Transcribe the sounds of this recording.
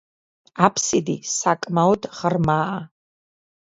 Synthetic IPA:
apʰsid̪isakʼmawd̪ʁərmaʔa

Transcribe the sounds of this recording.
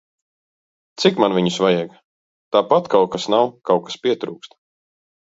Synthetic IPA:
t̪sikmanviɲusvajɛɡ | t̪aːpat̪kawkasnawkawkḁspiɛt̪ɾṵːkst̪

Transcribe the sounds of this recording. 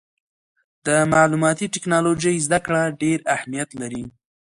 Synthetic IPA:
d̪̥əmɑlumɑt̪iʈɪknɑlod͡ʒəjzd̪akɽaɖeɾahmijat̪laɾi

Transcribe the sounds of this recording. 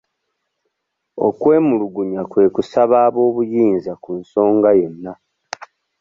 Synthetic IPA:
o̞̰kwe̞ːmuluɡuɲakwe̞ːkusaβaːβo̞ːβujiːnzakunso̞ːŋɡaje̞nːa

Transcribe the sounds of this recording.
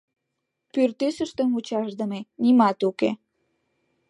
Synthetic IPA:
pyrt̪ysəʃt̪əmut͡ɕɑʃd̪əmenimɑt̪ukḛ

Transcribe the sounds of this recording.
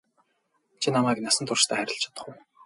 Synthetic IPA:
t͡ɕʰinamæːknasə̆nt̪ʰʊrʃt̪ʰæːχæɾʲɪ̆ɬt͡ɕʰḁt̪ə̥̆χʊ̆w

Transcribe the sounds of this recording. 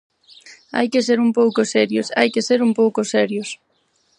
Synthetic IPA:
a̰jkɪs̬eɾumpowkʊsɛɾjosa̰jkɪseɾumpowkʊsɛɾjʊs

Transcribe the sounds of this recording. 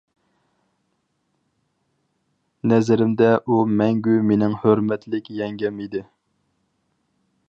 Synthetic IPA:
nɛzɪɾɪmd̪ɛʔumɛŋɡʲymenɪŋhøɾmɛt̪ʰlɪkʲjɛŋɡʲɛmid̪ɪ

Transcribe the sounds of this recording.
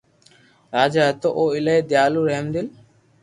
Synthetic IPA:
ɾaːd͡ʒat̪oʔoːɪleed̪jaːluːɾɐɦmd̪ɪl

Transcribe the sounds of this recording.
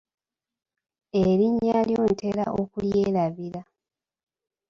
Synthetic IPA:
eɾiɲːaljoːntʰe̞ɾa̰ʔokuljeːlaβiɾa

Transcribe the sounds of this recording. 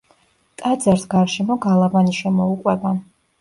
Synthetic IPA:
t̪ʼad̪zaɾsɡaɾʃɛmɔɡalˠavaniʃɛmɔukʼwɛba

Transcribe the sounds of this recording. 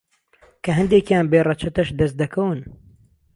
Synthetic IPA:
kʰɐɦɨnd̪eːkjaːnbeːrɐt͡ʃʰɐt̪ɐʃd̪ɐst̪̚d̪ɐkʰɐwɨn

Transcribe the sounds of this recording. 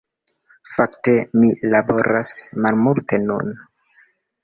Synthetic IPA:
faktemilabo̞ɾasmalmulte̞nṵn

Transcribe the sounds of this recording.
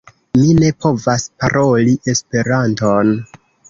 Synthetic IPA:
mine̞pʰo̞vaspaɾo̞liʔe̞spe̞ɾanton

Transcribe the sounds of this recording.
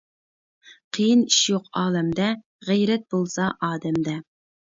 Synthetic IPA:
qʰejiniʃjoqɑːlˠɛmd̪ɛ | ʁɛjɾɛt̪̚bolˠsɑʔɑːd̪ɛmd̪ɛ

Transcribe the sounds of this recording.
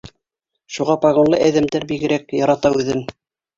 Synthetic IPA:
ʃuʁɑpɑɣonlˠɤæðɘ̆md̪æɾbiɡɘ̆ɾækjɑɾɑt̪ɑʉðɘm

